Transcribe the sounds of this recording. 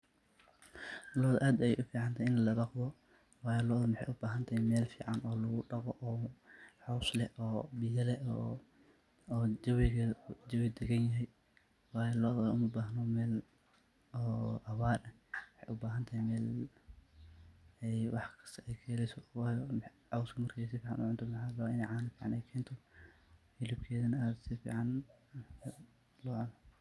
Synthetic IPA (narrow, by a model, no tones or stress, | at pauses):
lɔːðʔaːd̪ɐjɛ̰jʔʊfiːʕɑnt̪ʰaɪnlɐbɑqðɔ | wɑːjɔlɔːðɔmɪħɛ̰jʔʊbaːɦɐnt̪ʰaːjmɛːlfiːʕɑnɔːlɐɣʊɖɑqɔʔɔːħɔːslɛhʔɔːbɪjɐlɛ | ɐwɪɣɐd͡ʒɐwɪd̪ɛɡɐnjɐɦɛj | wɑːjlɔːðɔʊmɐbaːɦnɔmɛːl | ɔːʔɐwaːlɐ | wɑħɛjʔʊbaːɦɐnt̪ʰɐhmɛːl | ɛjwɑħkʰɐ̥st̪ʰɐʔɛjkʰɛːlɛjsɔwɑːjɔʕɑwskʰɐmɐrkʰɛs̬ɪfiːʕɑ̰nʊ̰ʕʊnt̪ʰɔmɐħaːlɐwaʔɪnɛjʕaːnfiːʕɑnɛjkʰɛːnt̪ʰɔ | ħɪlɪb̚kʰɛːðɐnɐaːd̪sɪfḭːʕɑn | lɔʕɔnɐ